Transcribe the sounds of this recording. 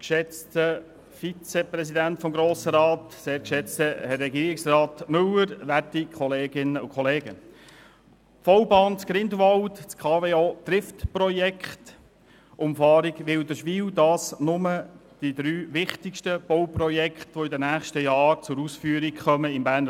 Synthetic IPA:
kʃɛt͡stə | fit͡sɛpɾɛsidæntfɔmɡɾoːsəɾɑːtseːɾkʃɛt͡stəɛrːɛɡiːɾɪksrɑːt̪mɵləɾʋætikʰχɔleːɡɪnəʊkʰχɔleːɡə | fɔwbɑːnt͡sɡ̥ɾɪndʋɑltt͡skʰɑːveːot̪ɾɪftprɔjɛkχt | ʔʊmfɑːɾiɡʋɪldəɾʃʋiːldɑːsnʊməd̥id̪ɾyːʋɪχtɪkʃtəb̥ɔwpɾɔjɛkχtʋoɪdənæːχʃtəjɑːɾt͡sʊɾusfyːəɾikχœməɪmbæːn

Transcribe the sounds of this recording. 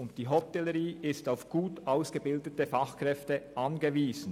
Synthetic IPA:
ʊnt̚d̥iːɦɔtɛləʁiːʔɪstaʊfɡ̥uːtaʊsɡ̥əbɪldətəfɑχkʁɛftəʔɑnɡəviːz̥n̩

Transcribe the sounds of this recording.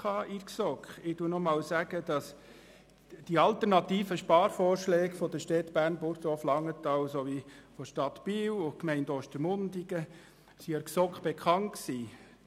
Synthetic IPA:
ɑːʔiɾksɔkχɪd̥unɔmɑːlsæɡ̥əd̥̪ɑs | d̥iɑlt̪əɾnɑt̪iːfəʃpɑːɾfɔːɾʃlɛːɡfɔd̥̪əʃtɛt̪b̥æːrnbʊɾtɔflɑŋːət̪ɑwsoʋifɔʃtɑt̪b̥iwʊkmɛɪndɔʃtəɾmʊndiɡ̥ə | siəɾksɔkχb̥ekʰɑntksiː

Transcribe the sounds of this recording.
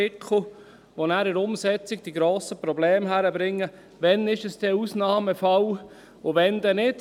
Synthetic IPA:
ɪkʰl̩ | ʋonæːɾɪɾʊmsɛt͡siɡ̚d̥iɡɾoːsəpɾɔblɛːmɦæɾəbɾɪŋːə | ʋɛnɪʃəsd̥ɛusnɑːməfɑl | ʊʋɛnd̪ɛnɪd̥

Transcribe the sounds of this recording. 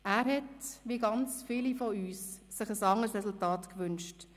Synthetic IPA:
æːɾɦhɛtʋiəɡɑnt͡sfiːlifɔyːsːɪχəsɑŋəsɾɛsultɑːtkʋʏnʃt

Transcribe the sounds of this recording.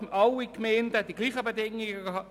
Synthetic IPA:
ɑwikmɛːndəd̥iɡliːχəbedɪŋɪɡəɑ

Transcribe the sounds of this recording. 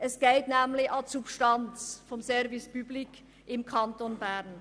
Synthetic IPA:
ɛsɡ̥ɛltnɛːmlɪçɑlsupʃtant͡sfɔmsɛɾvɪspyːblɪk | ʔɪmkʰantonbɛʁn

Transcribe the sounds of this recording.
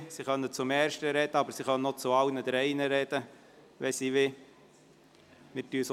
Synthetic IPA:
siχœnːət͡sʊmɛːɾʃtəɾɛd̪̥əɑbəɾsiχœnənɔt͡sʊɑwnəd̪ɾɛɪnəɾɛd̥̪ə | ʋɛsiʋɪ | mɪɾtyːəs

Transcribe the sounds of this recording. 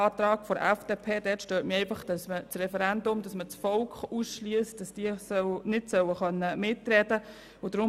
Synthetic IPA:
ɑːtɾɑːɡ̥fɔɾɛfd̥eːpʰeːdɛːtʃtøːtmiɛɪfɑχd̥ɑsmət͡srɛfəɾɛndʊmd̥ɑsmət͡sfɔlkχuːsʃliəstd̥ɑsd̥iəsœnɪtsœwəχœnːəmɪtrɛd̥ə | ʊd̥ɾʊ

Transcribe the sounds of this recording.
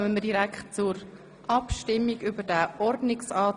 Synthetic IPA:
mənmədiɾækχt̚t͡sʊɾ | ʔɑpʃtɪmːiɡʏbəɾdæʔɔɾdnɪksɑː

